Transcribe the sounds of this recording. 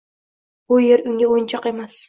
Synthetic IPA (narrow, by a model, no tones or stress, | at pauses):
b̥ʊjeɾʊŋɡʲaojɪnt͡ʃʰɑqe̞mas